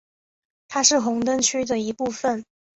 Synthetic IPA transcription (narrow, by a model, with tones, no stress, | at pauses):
t̪ʰa˥ʂɻ̩˥˩xʊ˧˥ŋt̪ə˥nt͡ɕʰy˥d̪ə˨i˧˥pu˥˩fə˨˩n